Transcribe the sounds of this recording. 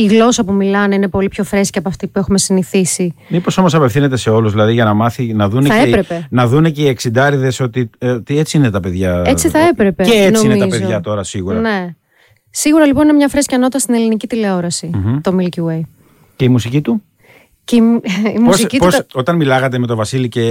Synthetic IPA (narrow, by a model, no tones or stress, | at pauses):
iɣlo̞sɐpumilɐneine̞po̞lipço̞fɾe̞sciɐpoɐft̪ipue̞xume̞siniθisimipo̞so̞mo̞s̬ɐpe̞fθine̞t̪e̞se̞o̞luzðilɐðiʝɐnɐmɐθinɐðuneɐepɾe̞pe̞nɐðuneceieksind̪ɐɾiðe̞so̞t̪it̪iet͡siinet̪ɐpe̞ðʝɐet͡siθɐe̞pɾe̞pe̞enoimneit̪ɐzpeðʝɐt̪o̞ɾɐsiɣuɾɐne̞ | siɣuɾɐliponinemɲɐfɾescʲɐno̞t̪ːɐst̪ine̞linicit̪ile̞o̞ɾɐsit̪o̞milcuwej | ce̞imusicit̪u | ceiimosicitpuoso̞t̪ɐnmilɐɣɐt̪eme̞t̪o̞vɐsilice̞